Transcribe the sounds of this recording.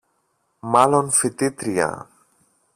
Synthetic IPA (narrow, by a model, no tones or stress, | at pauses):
malonfit̪it̪ɾia̰